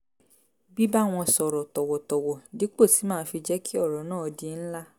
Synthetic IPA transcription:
bi˦ba˦˨w̃ɔ̃˧sɔ˨ɾɔ˨tɔ˨wɔ˨tɔ˨wɔ˨di˨˦k͡po˦˨ti˨˦mãː˦fi˧d͡ʒɛ˦kʰi˦ɔ˦˨ɾɔ˨˦nãː˦˨ɔ˧di˧˦n̩˦la˦

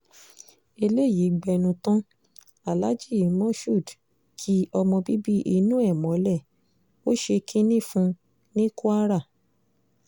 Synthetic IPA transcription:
e˧le˦˨ji˨˦ɡ͡bɛ˧nũ˧tɔ̃˦ | a˦˨la˨˦d͡ʒi˦˨˦mɔ̃˦ʃu˦˨d | kʰi˦ɔ˧mɔ̃˧bi˦bi˦ʔi˧nũ˦ɛ˦˨mɔ̃˨˦lɛ˦˨ | o˦ʃe˧kʰi˦nĩ˦˨fũ˧ | nĩ˦ku˦a˦ɾa˦˨

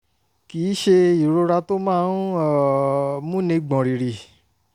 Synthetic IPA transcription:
ki˨˦ʃe˧i˨ɾo˧ɾa˧to˦mãː˦˧˦n˦˨mũ˦nẽ˧ɡ͡bɔ̃˨ɾi˨ɾi˨

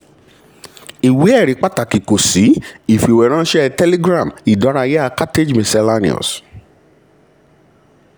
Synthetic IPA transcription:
i˨we˨˦ɛ˦˨ɾi˨˦k͡pa˦ta˨ki˨ko˨si˨˦i˨fi˨wɛ˨ɾ̃ã˦ʃɛ˦tɛ˦li˦ɡɾã˦˨mi˨dɔ˨˦ɾa˧jɛ˦a˦˧˦ka˦te˦d͡ʒmĩ˨sɛ˧la˦nḭ̃˦˨ɔ̰˨s

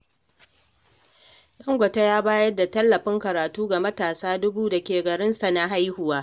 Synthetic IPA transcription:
ɗɐ˦ŋɡʷɐ˨ta˦jaː˦baː˦jɐ˦dːa˨tɐ˦lːɐ˨ɸɪ˦ŋkɐ˨ɾaː˨tuː˦ɡa˨mɐ˦taː˨saː˦dʊ˦buː˦da˨kʲeː˨ɡɐ˨ɾɪ˦nsa˨na˦ɦa˦jhʊ˨waː˦

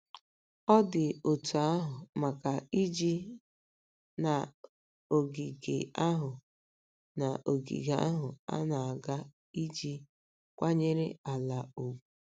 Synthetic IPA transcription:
ɔ˦dɪ˨o˨tu˨a˦ɦʊ˨ma˨ka˨i˦d͡ʒi˦ | na˨ | o˨ɡi˨ɡḛ˨a˦ɦʊ˨ | na˨ʔo˨ɡḭ˨ɡa̰˦ɦʊ˨a̰˦na˨a˨ɡa˦ | i˦d͡ʒi˦ | kʷa˦ɲe˦ɾɪ˦a˨la˨o˨ɡʷu˦

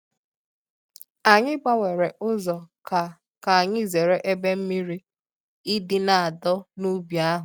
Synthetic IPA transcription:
a˨ɲɪ˦ɡ͡ba˦wʷe˨ɾe˨ʔʊ˦zɔ˨ka˨ | ka˨a˨ɲɪ˦ze˨ɾe˦ʔe˦be˦m̩˦mi˦ɾi˦ | i˦dɪ˦na˨a˨dɔ˦nu˦bja˦ɦʊ˨

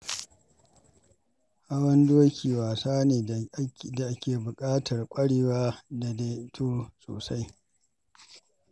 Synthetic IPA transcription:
ʔa˦wɐ˦ndoː˦kʲʰiː˨waː˨saː˦neː˨da˨ʔa˦kʲeː˨bʊ˨kʼaː˦tʰɐ˨rkʷʼɐ˦ɽeː˨waː˦da˨de˦tʰoː˦so̰ː˨sa˦j

